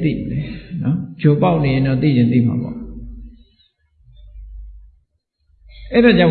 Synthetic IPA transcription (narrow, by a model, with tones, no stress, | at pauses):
t̪ḭ˦˨m˨lɛ˨nɔ˦d͡ʑo˨pa˦ʊʔne˨jɪ̃˨nɔ˦˨t̪ḭ˦˨d͡ʑɪ̃˨t̪ḭ˦˨m̥a̰˨bɔ̰˦˨ | ʔɛ˦˨ɾa˨t͡ɕã˦˨